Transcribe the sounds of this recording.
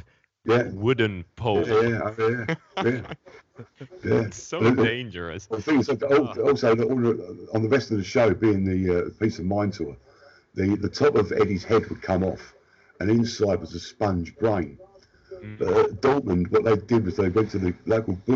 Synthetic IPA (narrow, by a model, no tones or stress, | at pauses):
jæwʊdⁿn̩pʰjæjæoʊæjæ | jæ | nd͡ʒə˞ðəθɪ̃ŋɪzlaɪkʊɔˑlˠsoʊɔnəə̃nðəɹɛstʌvðɨʃoʊbiɪ̃ŋðiʌəpʰiˑsəvmãɪ̃ntʰɔə | ðiðətʰɒpəvɛ̰ɾiz̥hɛd̚wəd̚kʰʌ̃mɒf | ɨ̃nɪ̃nsaɪd̚wʌzəspʌ̃nd͡ʒbɹẽɪ̃n | b̥ʌtd̥ɔlˠʔmə̃nwʌʔ̪̚ðeɪdɪd̚wʌzðeɪwɛ̃ntʰɨðɨloʊkl̩ˠbʊ